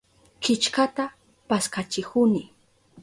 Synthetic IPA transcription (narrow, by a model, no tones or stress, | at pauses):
kɪt͡ʃkat̪a | paskat͡ʃɪkʊnɪ